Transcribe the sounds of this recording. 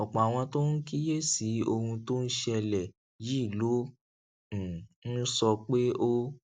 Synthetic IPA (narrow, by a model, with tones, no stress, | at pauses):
ɔ˨k͡pɔ̃˨a˨w̃ɔ̃˧to˦n̩˦ki˦je˦si˨˦o˧hũ˧to˦n̩˦ʃɛ˧lɛ˨ | ji˨˦˨lõ˨˦˨ | n̩˦sɔ˧k͡pe˦o˦